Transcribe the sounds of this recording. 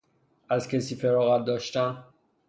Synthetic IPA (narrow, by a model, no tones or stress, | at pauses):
ʔæzcʰesiːfeɾɒːɣæt̪̚d̪ɒːʃt̪æn